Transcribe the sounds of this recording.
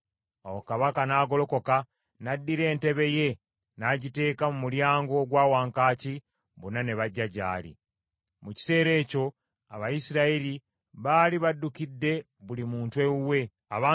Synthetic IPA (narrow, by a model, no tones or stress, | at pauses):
owokaβakanaːɡo̞lo̞ko̞ka | nadːiɾe̞ːnte̞βe̞je̞ | naɟite̞ːkamumuljaːŋɡo̞ɡwaːwaːŋkaːci | βunane̞βaɟːaɟa̰ːlḭ | muci̥se̞ːɾe̞ːco̞ | aβajisiɾaeɾi | βaːliβadːukidːe̞ | βulimuːntwe̞uwe̞ | aβaː